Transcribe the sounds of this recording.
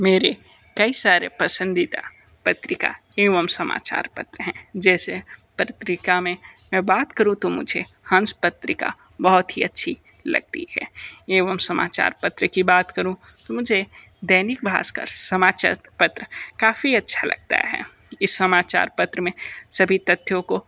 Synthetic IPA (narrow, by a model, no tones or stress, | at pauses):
meːɾe | kɐisaːɾḛpəsə̃nd̪it̪a̰ | pət̪ɾɪka̰ | eːʋəmsɐma̰ːt͡ʃa̰ːɾpə̰t̪ɾəɦɛ̃d͡ʒɛːsepɾət̪ɾɪkamẽmɛ̃baːt̪kəɾũt̪omʊ̰d͡ʒʱe | hə̃nspət̪ɾɪka̰ | bəɦʊt̪ɦiɐtːʃʰi | lɐ̰ɡ̚t̪ḭɦɛ̰ːeːʋəmsɐma̰ːt͡ʃa̰ːɾpət̪ɾəkibaːt̪kəɾũ | t̪omʊd͡ʒʱe | d̪ɐɪnɪk̚bʱa̰ːskə̰ɾsəmaːt͡ʃa̰ːɾpət̪ɾəkaːfiɐtːʃʰalɐ̰ɡ̚t̪a̰ɦɛ̰ː | ɪsːəmaːt͡ʃa̰ːɾpət̪ɾəmẽsɐbʱit̪ət̪jõko